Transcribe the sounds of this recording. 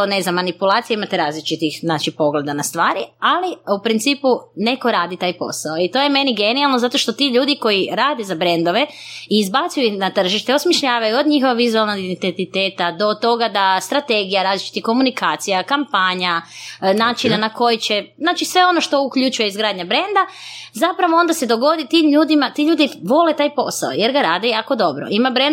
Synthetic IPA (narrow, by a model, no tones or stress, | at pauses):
nezamːanipulaːt̪sijeimat̪eɾaːzlit͡ʃit̪ixznat͡ʃipo̞ɡle̞d̪anast̪ʋaːɾialiupɾint̪siːpune̞ko̞ɾaːd̪it̪aːjpo̞̰saoit̪o̞je̞me̞niɡe̞nialˠnozat̪o̞ʃt̪o̞t̪iʎuːd̪iko̞jiɾaːd̪ezabɾe̞nd̪o̞ʋe̞iːzbat̪sujuixnat̪r̩ʒiʃt̪eosmiʃʎaːʋajuod̪ɲixoaʋizualˠnoɡid̪ent̪et̪it̪eːt̪ad̪o̞t̪o̞ɡad̪ast̪ɾat̪e̞ɡijaɾaːzlit͡ʃi̥t̪iko̞munikaːt̪sijakampaɲanaːt͡ʃinanako̞jit͡ɕe̞znaːt͡ʃisʋe̞o̞no̞ʃt̪o̞ukʎut͡ʃuje̞izɡɾaːd̪ɲabɾe̞nd̪azapɾaʋoo̞nd̪ase̞d̪o̞ɡo̞d̪it̪iːmʎuːd̪imat̪iʎuːd̪iʋo̞let̪aːjpo̞̰sa̰ojeɾɡaɾaːd̪eako̞d̪o̞bɾo̰imabɾen